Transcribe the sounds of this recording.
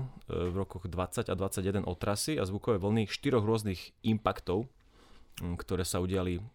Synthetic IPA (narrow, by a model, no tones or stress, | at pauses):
vɾɔkɔɣd̪ʋat͡sːaɟad̪ʋat͡sːaɟjɛd̪ɛnʔɔt̪ɾasiazʋukɔʋɛːʋl̩niʃt̪iɾɔɣɾʊɔzniɣimpakt̪ɔʊ | kt̪ɔɾɛːsauɟɪali